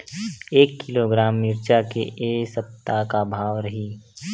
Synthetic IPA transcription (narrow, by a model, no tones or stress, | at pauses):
eːkːɪloɡɾaːmːɪɾt͡ʃakeʔeːsəp̚t̪akabʱaːwɾəɦiː